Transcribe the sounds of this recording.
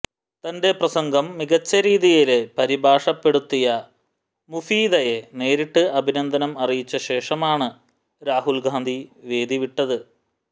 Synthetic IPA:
t̪ɐnde̞prɐsɐŋɡɐmːiɣɐt͡ɕːɐɾiːðijilepɐɾibʱaːʂɐpːeɽut̪ːijɐ | mufiːd̪ɐje̞ne̞ːɾiʈːɨɐbʱinɐnd̪ʱɐnɐmɐrijit͡ɕːɐɕe̞ːʂɐmaːɳɨ | ɾaːɦulɡaːnd̪ʱiʋe̞ːd̪iʋiʈːɐðɨ

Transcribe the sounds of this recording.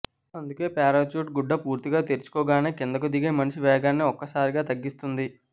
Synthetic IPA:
ɐnd̪uke̞ːpaːɾat͡ʃuːʈ̚ɡuɖːɐpuːɾt̪iɡaːt̪eɾt͡ʃu̥kɔːɡaːneːkind̪ɐkud̪iɡe̞ːmɐnɐʃiʋɛːɡaːnːiɔkːɐsaːɾiɡaːt̪ɐɡːist̪und̪i

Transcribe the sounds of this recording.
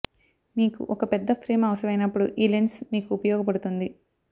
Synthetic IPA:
miːkṵʔɔkɐpɛd̪ːɐpʰɾeːmɐʋɐsɐmɐjnɐpːuɽuʔiːlensmiːkuːpɐjɔːɡɐpɐɽut̪und̪i

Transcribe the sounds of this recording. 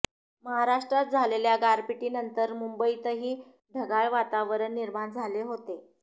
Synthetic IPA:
məɦaɾaʂʈɾat̪̚d͡zʱaleljaɡaɾpiʈiːnənt̪əɾmumbəit̪əɦiː | ɖʱəɡaɭʋat̪aʋəɾənːiɾmaɳd͡zʱaleɦot̪e

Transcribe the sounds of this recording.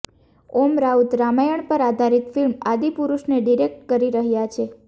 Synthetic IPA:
omɾaut̪ɾamajəɳpəɾad̪ʱaɾit̪filmad̪ipuɾuʃneɖiɾek̚ʈ̚kəɾiɾəɦjat͡ʃʰe

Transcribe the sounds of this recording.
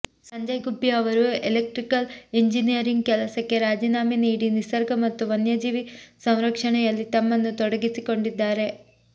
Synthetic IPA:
sɐɲd͡ʑɐjɡubjɐʋɐɾuelek̚ʈrikːɐliɲd͡ʑinijɐɾiŋɡkelɐsɐkːeɾaːd͡ʑinaːminiːɽinisɐrɡɐmɐt̪ːuʋɐnjɐd͡ʑiːʋisɐwɾɐkʂɐɳɐjɐlːit̪ɐmːenːut̪oɽɐɡitːikːo̞ɳɖid̪ːaːɾe̞

